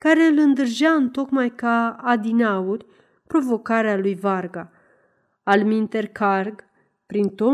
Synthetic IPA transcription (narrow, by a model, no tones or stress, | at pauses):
kaɾe̞ɨlɨnd̪ɨrʒaɨnt̪o̞kmajkaːd̪inaurʲ | pɾo̞vo̞kaɾealujvarɡaː | lmint̪e̞rkarɡ | pɾint̪o̞